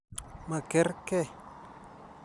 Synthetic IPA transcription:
mã˨ke˦ɾke˦

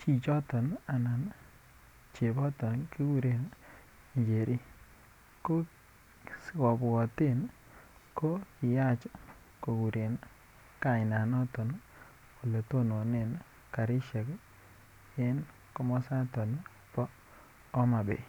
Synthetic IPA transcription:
t͡ʃi˨t͡ʃɔ˦tɔ˨na˨na˨n | t͡ʃe˨bɔ˦tɔ˨nki˦ku˦ɾe˨n | i˨ɲd͡ʒe˨ɾʔi˦ | ko˦ | skɔ˨bwɔ˨te˦n | ko˦ki˨ja˦t͡ʃ | ko˨ku˨ɾe˨n | ka˨ɪ˨na˨nɔ˦tɔ˨n | ko˨le˨to˦no˨ne˦˨n | ka˨ɾɪ˦ʃɛ˨k | e˦n | ko˦mɔ˦sa˦tɔ˨n | pɔː˦ | ma˨bḛ˨

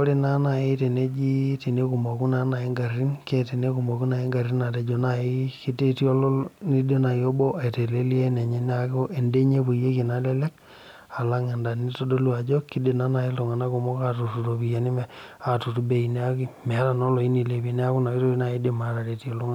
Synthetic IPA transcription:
o˦ɾi˦na˦na˨i˦te˨ne˦d͡ʒi˦ti˨ne˦ku˨mo˨ku˦na˦na˨i˦ŋɡa˨ri˦nke˦te˨ne˦ku˨mo˨ku˦na˨i˦ŋɡa˨ri˦na˨te˨˦d͡ʒo˨na˨i˦ki˦te˦ti˦o˦lni˦de˦na˨jo˦bɔ˦ʔa˨te˨le˦li˦e˦ne˨ɲe˦n˦a˦ko˦ʔe˨nde˦ɲe˦pu˨je˦ki˨na˦le˦le˦k | a˨la˦ŋe˨nda˨ni˦to˦do˦lu˦a˨d͡ʒo˦ki˦de˨na˦na˨i˦lo˨ŋa˨na˦ku˨mo˦ka˨tu˨tu˨to˨pi˨ja˨ni˦mɛ˨a˨tu˨tu˦be˨i˨ne˦a˦ki˦mɛ˨a˦ɾa˨nɔ˦lo˨i˦ni˨le˨pi˨˦ne˦a˦ku˦na˨ki˦to˦i˦na˨i˦de˨ma˨ɾa˨te˨ti˦o˨lo˦ŋa˦

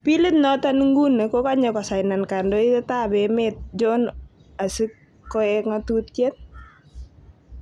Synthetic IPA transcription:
pi˦le˦t̪nɔ˦ta˦nŋɡu˦nə˨ko˦ka˦ɲɔ˨kɔ˨sa˨jna˨nka˨ndo˦i˦teta˦bɛ˨met̪̚d͡ʒɔn | a˨si˦kː | ɔ˦ɛkŋɔtu˦t̚ke˦t̚

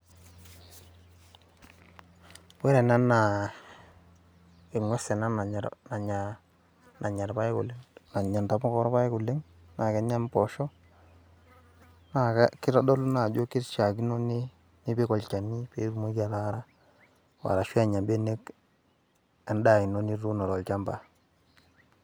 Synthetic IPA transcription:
we˦ɾɛ˨na˦na˨ | e˨ŋwɛ˦sɛ˨na˦na˨ɲ˨ɾ̰na˨ɲa˨ | na˨ɲa˨ɾpa˦e˦kṵ˨le˦ŋna˨ɲa˨nta˨mɔ˦kɔ˦ɾpa˦e˦kʊ˨le˦ŋ | na˨kɛ˨ɲa˦mpɔ˨ʃɔ˦ | na˨ka˦kɪ˦ɾɔ˦dɔ˦lu˦na˨d͡ʒo˦ki˦ɾt͡ʃa˨ki˦no˦ne˦ | ni˦pe˦kɔ˨lt͡ʃa˨ni˦pe˦ɾu˦mo˦ka˨la˦ɾa˦ | wa̰˨ɾa˨ʃi˦a˦˨ɲa˨be˦ne˦k | a˨n˦da˨i˨no˦ni˦ɾu˦nɔ˨ɾɔ˨lt͡ʃa˦mba˨

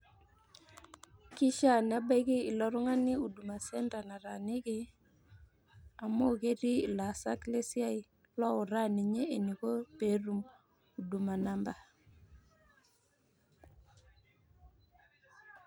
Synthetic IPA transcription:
kɪ˦ʃa˦n˨a˦ba˦ki˦i˨lɔ˦ɾʊ˦ŋa˦ni˦u˨du˨ma˨sɛ˦nda˨na˨ɾa˨nɪ˦kɪ˦ | a˨mo˦ke˦ɾiː˦˨la˨sa˦kle˦si˦a˦i˦ | lɔ˦ʊ˨ɾa˦ni˨ɲeː˦˨ni˨ko˦pe˦ɾu˦m | u˨du˨ma˨na˦mba˨

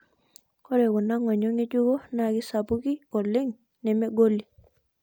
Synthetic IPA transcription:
kɔ˦ɾɛ˨wɔ˨na˦ŋwɔ˨ɲɔ˦ŋe˦d͡ʒu˦ɡo˦naɡɪ˦sa˨bu˦ɡi˦ɔ˨lɪ˦ŋ | nɛ˨mɛ˦ɡo˦li˨

